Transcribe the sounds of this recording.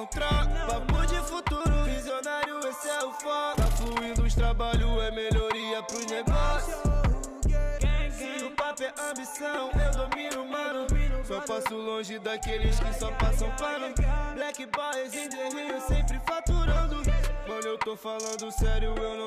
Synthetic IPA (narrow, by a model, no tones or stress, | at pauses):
t̪ɾɔkpapod͡ʒɪfut̪uɾʊvizionaɾjʊesɛʊfat̪ɐfluĩnd̪ʊʊʃt̪ɾabaʎʊɛmeʎoɾiɐpɾʊzneɡɔss | sɪʊpapɛʔɐ̃bisɐ̃w̃ewd̪omiɾʊmɐ̃d̪ʊsɔpasʊlõʒɪd̪akelɪskɪsɔpasɐ̃w̃paɾʊ̃blɛkibɔzĩt̪eɦĩʊsẽpɾɪfat̪uɾɐ̃d̪ʊkɐ̃newt̪ofalɐ̃nd̪ʊsɛɾjʊewnɐ̃